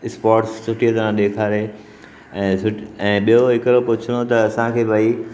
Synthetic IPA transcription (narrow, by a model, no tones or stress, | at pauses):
ɪspaːɾʈssʊʈiət̪ɐɾãɗ̪eːkʰaːɾe | ɛ̃ːsʰʊɛ̃ːɓijoɦɪkəɾopʊt͡ɕʰəɽ̃ot̪ɐːsãkʰeːbʱai